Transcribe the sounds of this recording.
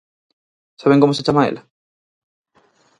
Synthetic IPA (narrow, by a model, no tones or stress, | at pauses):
saβẽŋkomoset͡ʃamaḛla